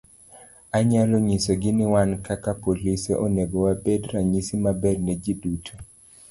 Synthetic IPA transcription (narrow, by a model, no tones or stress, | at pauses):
aɲalɔɲisɔɡɪnɪwankakapolisɛ̰ʔoneɡɔwabedɾaɲisimabɛrnɛd͡ʒidutʰo̥